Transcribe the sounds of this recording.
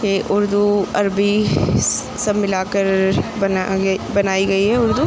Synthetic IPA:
t̪eːʔʊɾd̪uɐɾbi | sɐmmɪlaːkəɾ | bɐnaːiɡɐiɦɛːʊɾd̪u

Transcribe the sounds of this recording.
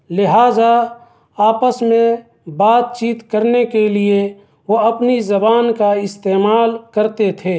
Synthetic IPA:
lɪɦaːza | aːpəsmẽ | baːt̪̚t͡ʃiːt̪kəɾnekelie | ʋoɐpnizɐbaːnkaɪst̪eːmaːlkəɾt̪et̪ʰeː

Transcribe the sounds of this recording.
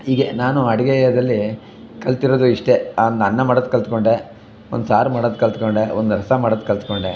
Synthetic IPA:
iːɡenaːnuɐɽiɡejɐd̪ɐlːi | kɐlt̪iɾoːd̪uiʂʈe̞nɐnːɐmaːɽod̪̚kɐlt̪ko̞ɳɖe | ond̪usaːɾmaːɽod̪̚kɐlt̪koɳɖeond̪uɾɐsɐmaːɽod̪̚kɐlt̪koɳɖe

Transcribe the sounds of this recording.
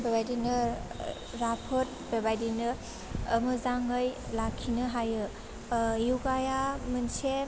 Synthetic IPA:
bebajdinɯ | ɾapʰot̚bebajdinɯː | mɯzaŋɯjlakʰːinɯɦajɯ | juɡajamɯnse

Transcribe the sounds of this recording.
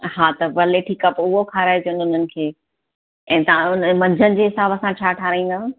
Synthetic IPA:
ɦaːt̪ɐʋɐleːʈʰiːkɐpʊɦokʰaːɾaːjed͡ʑeʊnʊn̤ənɪ̆kʰeː | ɛ̃ːt̪ɐãʊnəmɐ̃ɲd͡ʑʱənɪ̆d͡ʑeːɦɪsaːbɐsãt͡ɕʰaːʈʰaːɾãĩːn̆d̪aː

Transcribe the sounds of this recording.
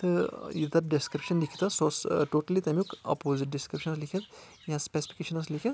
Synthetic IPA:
t̪ɨjid̪ɐɾɖiskɾipʃɐnlikʰt̪ɐsoːsʈoːʈɐlit̪ɐmjukɐ̰poːziʈ̚ɖiskɾipʃɐnslikʰit̪ | jãspesi̥fi̥keːʃɐnɐslikʰi

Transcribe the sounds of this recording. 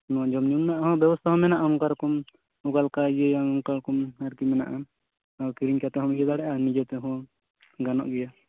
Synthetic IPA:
nɔad͡ʒɔmniumnaʔɦɔ̃bjɛbɔst̪ʰaɦɔ̃mɛnaʔaɔŋkaɾɔkɔm | ɔɡalkaɡejaɔŋkaɾɔkɔmaɾkimɛna̰ʔa | awkiɾiɲkat̪ɛɦɔ̃mɛd͡ʒɛd̪aɽɛʔanid͡ʒɔt̪ɛɦɔ̃ | ɡanɔ̰ʔɡɛja

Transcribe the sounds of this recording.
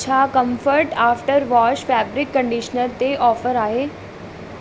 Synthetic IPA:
t͡ɕʰakɐ̃mfəɾʈaːfʈəɾʋɔːʃfɛːbɾɪkːə̃ɳɖiʃnəɾt̪eʔɔːfəɾaːɦeː

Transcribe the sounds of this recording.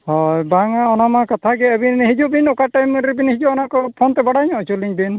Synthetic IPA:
hɔjbaŋaɔnamakat̪ʰaɡɛabinɦid͡ʒuʔbinɔkaʈajmɾibineɦid͡ʒɔɔnakɔpʰɔnt̪ɛbaɽaɲɔʔt͡ʃuliŋb̪in

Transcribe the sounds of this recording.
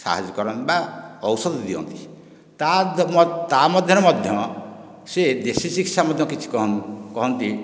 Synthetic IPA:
sa̰ɦa̰d͡ʒɔkɔɾɔnbaɔwsɔd̪d̪iɔ̰nt̪i̥ | t̪amt̪amɔd̪ʱjɔɾɔmɔd̪ʱjɔ | sed̪esisikt͡ʃʰamɔd̪ʱjɔkit͡ʃʰi̥kɔɦɔkɔɦɔnt̪i

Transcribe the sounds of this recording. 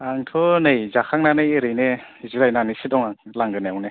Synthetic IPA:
aŋtʰɔnɯjzakʰaŋ̚nanɯjeɾɯjneiziɾajnanisidɔŋalaŋɡɯneawne

